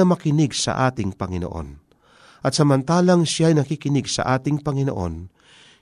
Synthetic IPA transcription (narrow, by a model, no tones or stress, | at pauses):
ɐmɐkɪnɪɡsɐ̰ʔaːt̪ɪŋpɐŋɪno̰ʔo̰n | ʔɐt̪̚sɐmɐnt̪aːlɐŋʃjajnɐkikɪnɪɡsɐ̰ʔaːt̪ɪŋpɐŋɪnoʔo̰n